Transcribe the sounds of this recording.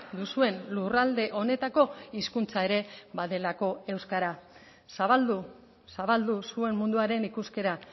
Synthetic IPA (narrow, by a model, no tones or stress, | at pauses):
d̪usue̞nlurald̪e̞ʔo̞ne̞t̪ako̞iskunt͡sae̞ɾe̞βaðe̞lako̞e̞wskaɾa | saβald̪u | saβald̪usue̞nmund̪uaɾe̞nikuske̞ɾa